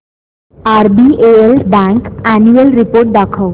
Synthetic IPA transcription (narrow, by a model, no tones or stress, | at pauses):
aɾbieelbaŋkænuelɾipoɾʈ̚d̪akʰaw